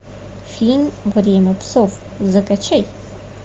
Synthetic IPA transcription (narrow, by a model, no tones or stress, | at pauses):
fʲinvrʲemʲɐpsov | zɨkʼɐt͡ʃʰɐj